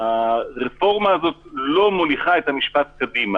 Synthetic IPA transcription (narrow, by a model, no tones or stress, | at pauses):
haʁefo̞ʁmaːzo̞tlo̞moliχaethamiʃpat̚kadima